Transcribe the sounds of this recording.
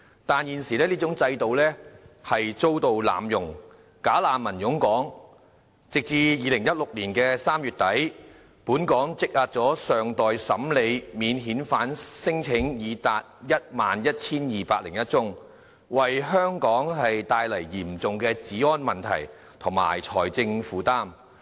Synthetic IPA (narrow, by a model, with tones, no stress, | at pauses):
t̪aː˨njiː˨nsiː˨˩lɛː˥liː˥t͡sʊ˨˥ŋt͡sɐ˧jt̪o˨wlɛː˥hɐ˨jt͡so˥wt̪o˨wla̰ː˨mjʊ˨˩ŋ | kaː˨˥laː˨˧nmɐ˨˩njʊ˨˥ŋkɔː˨˥ŋ | t͡sɪ˨k̚t͡siː˧jiː˨˧lɪ˨˩ŋjɐ˥t̚lʊ˨k̚liː˨˩nkɛː˧saː˥mjyː˨t̪̚ɐ˨˥j | puː˨˥nkɔː˨˥ŋt͡sɪ˥k̚laː˧t̚t͡sɔː˨˥sœː˨ŋt̪ɔː˨jsɐ˨˥mle˨˧jmiː˨˧nɦiː˨˥nfaː˨˥nsɪ˥ŋt͡sʰɪ˨˥ŋjiː˨˧t̪aː˧t̚jɐ˥t̚maː˨njɐ˥t̚t͡sʰiː˥njiː˨paː˧k̚lɪ˨˩ŋjɐ˥t̚t͡sʊ˥ŋ | wɐ˨jɦœː˥ŋkɔː˨˥ŋɦɐ˨jt̪aː˧jlɐ˨˩jːiː˨˩mt͡sʊ˨ŋkɛː˧t͡siː˨˥ɔː˥nmɐ˨nt̪ʰɐ̰˨˩j | t̪ʰʊ˨˩ŋma̰ː˨˩jt͡sʰɔː˨˩jt͡sɪ˧ŋfuː˨˥t̪aː˥m